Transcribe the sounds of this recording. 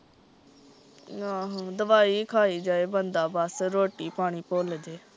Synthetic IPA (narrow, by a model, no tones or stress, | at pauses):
aːɦãːd̪əʋaːiːkʰaːiːd͡ʒaːeːbənd̪aːbaːsɾoːʈiːpaːɳ̃iːpoːld͡ʒeː